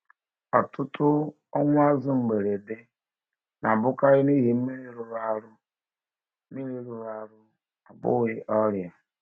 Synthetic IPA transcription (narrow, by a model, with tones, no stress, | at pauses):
ɔ̰˨tʰʊ˦tʊ˦ | ɔ˦ŋʷ˦a˦zʊ˦ŋ͡m̩˨ɡ͡be˨ɾe˨de˦ | na˨bʊ˦ka˦ɾɪ˦ni˦ɦe˦i˦ɾi˦ɾʊ˨ɾa˦ɾʊ˦ | mi˦ɾe˦ɾʊ˨ɾa˨ɾʊ˦ | a˨bʊ̰˦ɣɪ˦ʔɔ˦ɾja˨